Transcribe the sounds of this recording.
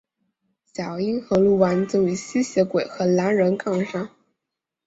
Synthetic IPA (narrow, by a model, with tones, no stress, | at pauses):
ɕjɑ˨˩ʊi˥nxɤ˧˥ŋlu˥˩wa˧˥nt͡so˥˩i˧˥ɕi˥ɕjɛ˧˥kwe˨˩ɪxɤ˧˥la˧˥nɻə˧˥nkɑ˥˩ŋxa˥